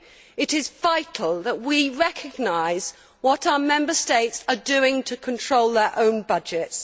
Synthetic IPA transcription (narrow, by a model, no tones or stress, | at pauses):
ɪɾɪzvaɪtʰˡl̩ˠðəʔwiɹɛkʰəɡ̚naɪz̥ | wɒtaʊəmɛ̃mbəsteɪtsədʉɪ̃ŋtʰəkʰə̃ntʰɹ̥oʊlˠðə˞ʔõʊ̃nbʌd͡ʒɪts